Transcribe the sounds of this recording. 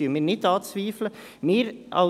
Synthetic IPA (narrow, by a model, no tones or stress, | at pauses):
yːmɪːɾnɪtɑːt͡sʋiːflə | mɪːɾʔɑ̰